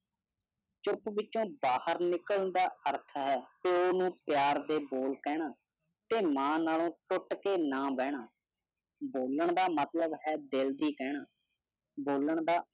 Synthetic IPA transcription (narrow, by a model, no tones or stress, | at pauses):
t͡ʃʊpʋɪt͡ʃõːbaːhəɾnɪkəlnd̪aːəɾt̪ʰɦɛːt̪eoːnũːpjaːɾd̪eːboːlkɛːɽ̃aː | t̪eːmãːnaːlõːʈʊʈkeːnãːbɛːɽ̃aː | boːləɳd̪aːmət̪ləbɦɛːd̪eːld̪iːkɛːɳaː | boːləɳd̪aː